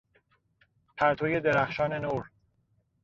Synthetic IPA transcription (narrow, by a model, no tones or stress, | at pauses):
pʰæɾt̪ʰoːje̞d̪e̞ɾæxʃɒːne̞noːɾ